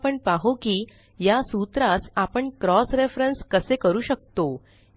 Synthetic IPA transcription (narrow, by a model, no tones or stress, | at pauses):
pəɳpaɦokiː | jasut̪ɾasapəɳkɾɔsɾefɾenskəsekəɾuːɕək̚t̪o